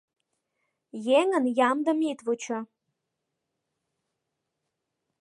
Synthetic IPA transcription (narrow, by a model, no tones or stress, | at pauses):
jeŋənjamd̪əmit̪vut͡ʃʰɐ